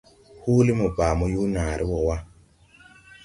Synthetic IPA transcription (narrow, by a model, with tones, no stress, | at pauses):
huː˦li˦mu˨baː˨mɔ˦juː˦na˨ɾʔi˦wɔ˨wa˦